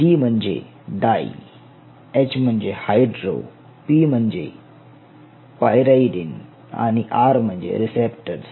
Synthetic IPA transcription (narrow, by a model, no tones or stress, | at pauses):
d͡ʒiːm̤ənd͡ʒḛ | ɖaːḭ | et͡ʃmənd͡ʒehaːjɖɾo̰ː | pimənd͡ʒḛ | pajɾaiɖɪn | a̰niʔaːɾməɲd͡ʒḛɾɪsepʈəɾs